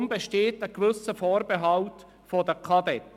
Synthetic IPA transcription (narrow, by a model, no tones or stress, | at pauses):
mbeʃteːtəkʋʏsəfɔːɾbeɦɑlt | fodəkʰɑd̪ɛt